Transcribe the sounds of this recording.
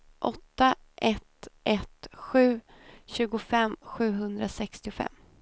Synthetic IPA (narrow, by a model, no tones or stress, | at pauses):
ʔɔt̪ːaʔɛt̪ʔɛt̪ɧʉ̟ː | ɕʉ̟ːɡʊfɛmːɧʉ̟ːɦɵnd̪ɾasɛkst̪ɪfɛ̰mː